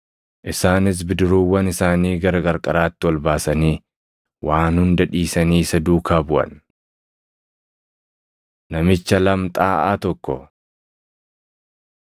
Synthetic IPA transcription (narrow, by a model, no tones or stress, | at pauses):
ʔɪsaːnɪs̬bɪd̪ɪɾuːwːɐnɪsaːniːɡɐɾɐkʼɐɾkʼɐɾaːt̪ːɪwɐlbaːsɐniː | wʔaːnhʊnd̪ɐᶑiːsɐniːsɐd̪uːkʰaːbʊʔɐ̰n | nɐmɪt͡ʃːɐlɐmt̪ʼaːʔa̰ːt̪ɔkːɔ